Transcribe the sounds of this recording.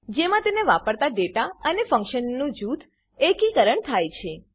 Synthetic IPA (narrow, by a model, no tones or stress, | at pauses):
d͡ʒemãt̪eneʋapəɽt̪aɖeʈaənefə̃ŋkʃənːũd͡ʒut̪ʰ | ekikəɾəɳt̪ʰajt͡ʃʰe